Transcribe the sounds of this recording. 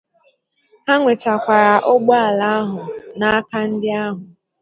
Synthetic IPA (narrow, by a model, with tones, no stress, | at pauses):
ha˦ŋʷe˨t͡ʃa˨kʷa˨ɾa˨ʔo˦ɡ͡bɔ˦a˨la˦a˦ɦʊ˨na˦a˦ka˦n̩˦dɪ˦a˦ɦʊ˨